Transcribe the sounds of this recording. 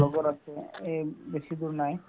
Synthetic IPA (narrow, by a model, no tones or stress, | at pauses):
lɔɡoɾat͡ʃʰeebeʃid̪uɾnaj